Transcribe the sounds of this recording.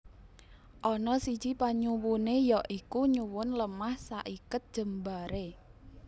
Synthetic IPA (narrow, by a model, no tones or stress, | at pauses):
ʔɔnɔsid̥ʒ̥ipaɲuwunejɔʔikuɲuwʊnləmahsa̰ʔikʊt̪̚d̥ʒ̥ə̤mbaɾe